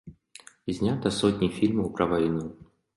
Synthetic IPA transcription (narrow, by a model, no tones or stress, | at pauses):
ɪzʲnʲat̪əsot̪ʲnʲɪjfʲilʲməpɾɐvɐjnu